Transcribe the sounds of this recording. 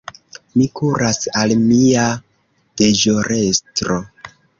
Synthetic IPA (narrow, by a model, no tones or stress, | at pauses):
mikʰuɾasalmia | d̥eʒoɾʔe̞stɾo̞